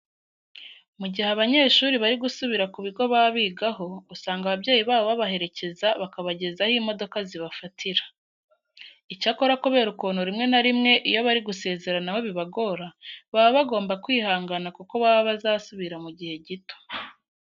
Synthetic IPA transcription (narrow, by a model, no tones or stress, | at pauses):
muɟiheaβaɲe̞ːʃuːɾiβaɾiɡusuβiɾakuβiɡo̞βaβiːɡaɦo̞usaːŋɡaβabje̞ːjiβaːβoβaβahe̞ɾe̞ce̞zaβakaβaɟe̞zahimo̞do̞kaziβafatʰiɾḁ | icako̞ɾakoβe̞ːɾukuːnoɾimŋe̞naɾimŋe̞ʔijo̞βaɾiɡuse̞ːze̞ɾanaho̞βiβaɡo̞ɾaβaβoβaɡo̞ːmbakwiːhaːŋɡanakuko̞βaβaβazaːsuβiɾamuɟihe̞ɟito̥